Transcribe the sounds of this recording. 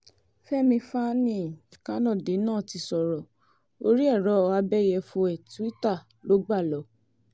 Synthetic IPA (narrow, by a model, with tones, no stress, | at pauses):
fɛ˦mĩ˧fa˦nĩ˦˨kã˨˦nã˦˨de˨˦nãː˦˨ti˧sɔ˨ɾɔ˨ | o˧ɾi˦ɛ˦˨ɾɔ˨˦˧a˧bɛ˦˨jɛ˧fõ˧ɛ˨tu˨˦i˦ta˦˨ | lo˨˦ɡ͡ba˦˨lɔ˨˦